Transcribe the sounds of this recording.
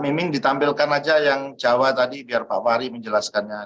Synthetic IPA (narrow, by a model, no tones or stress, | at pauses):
mimɪŋdit̪ampɪlkanad͡ʒajaŋd͡ʒawat̪adibiarpa̰waɾiməɲd͡ʒəlaskanɲa